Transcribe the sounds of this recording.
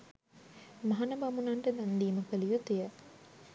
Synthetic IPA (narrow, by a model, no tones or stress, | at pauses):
maɦanəbamunaɳʈəd̪and̪iːməkəlijut̪ejə